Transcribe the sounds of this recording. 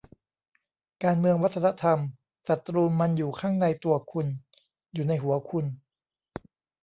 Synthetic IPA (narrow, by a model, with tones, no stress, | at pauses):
kaː˧nmɯ˧əŋwa˦˥t̪ʰːa˧na˦˥t̪ʰa˧m | sa˨˩t̪ːɾuː˧nːa˧njuː˨˩kʰaː˥˩ŋna˧jt̪u˧ɐkʰu˧n | juː˨˩na˧jɦu˩˦ɐkʰu˧n